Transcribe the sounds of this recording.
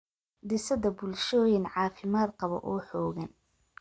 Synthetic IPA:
d̪ɪsɐðɐbʊlʃɔːjɪnʕɑːfɪmaːd̪qɑβɔ̰ʔɔːħɔːɣɐn

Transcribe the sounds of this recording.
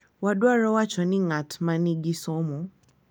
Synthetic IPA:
wadwaɾɔwat͡ʃɔnɪ̃ŋatmãnĩɡisɔ̃mɔ̃

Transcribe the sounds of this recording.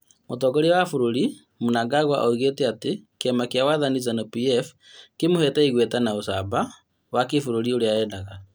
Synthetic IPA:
motɔɡɔɾiwafuɾoɾi | munaɡaɣwaʔoiɣetɛatekeɛmakjawaðanizanopiɛf | kemohɛtaiɣwɛtanaosa̰ba | wakefuɾoɾioɾeaɛːndaɣa

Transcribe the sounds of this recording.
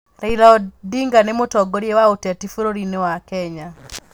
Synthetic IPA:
ɾailaɔdiŋɡanemotɔɡɔɾjewaotɛtifuɾoɾinewakɛɲa

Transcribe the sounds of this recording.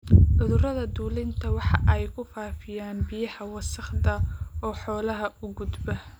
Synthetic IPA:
ʕʊðʊɾɐðɐd̪uːlɪnt̪ʰɐwɑħɑʔɛjkʰʊfaːfɪjaːnbɪjɐhɐwɑsɐχd̪ɐɔːħɔːlɐɦɐʔʊɡʊd̪bɐ

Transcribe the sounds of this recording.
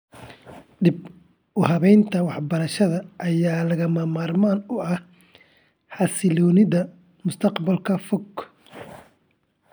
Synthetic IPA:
ɖɪb | ʔʊhɐβɛjnt̪ʰɐwɑħbɐɾɐʃɐðɐʔːjaːlɐɣɐmɐmaːrmaːnʊɐh | ħɑsɪlɔːnɪðɐ | mʊst̪ʰɐqbɐlkʰɐfɔɡ

